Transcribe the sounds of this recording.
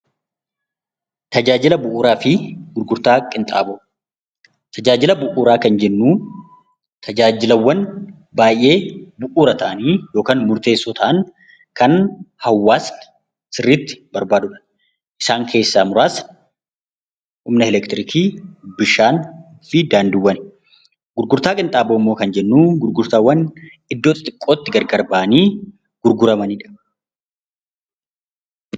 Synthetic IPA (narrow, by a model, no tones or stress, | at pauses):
t̪ɐd͡ʒaːd͡ʒɪlɐbʊʔuːɾaːfɪɡ̥ʊɾɡʊɾt̪aːkʼːɪnt̪ʼa̰ːbɔ | t̪ʰɐd͡ʒaːd͡ʒɪlɐbʊʔuːɾaːkɐnd͡ʒɛnːuː | t̪ʰɐd͡ʒaːd͡ʒɪlɐwːɐn | baːjʔːe̞ːbʊʔuːɾɐt̪ɐʔɐniːjo̞ːkaːnmʊɾt̪e̞ːsːɔːt̪ʰɐʔɐn | kɐnhɐwːaːs | sɪrːiːt̪ːɪ̥bɐɾbaːd̪ʊᶑɐ̥ | ʔɪsaːŋkʰe̞ːsːaːmʊɾaːs | ʔʊmnɐɛlɛkt̪ɾɪkʰiːbɪʃaːn | fɪd̪aːnd̪ɪwːɐn | ɡʊɾɡʊɾt̪aːkʼɪnt̪ʼaːboːmːo̞ːkɐnd͡ʒɛnːuːɡʊɾɡʊɾt̪aːwːɐn | ɪd̪ːoːt̪ɐt̪ʼɪkʼːo̞ːt̪ːɪɡɐɾɡɐɾbaʔɐniː | ɡ̥ʊɾɡʊɾɐmɐniːᶑɐ̥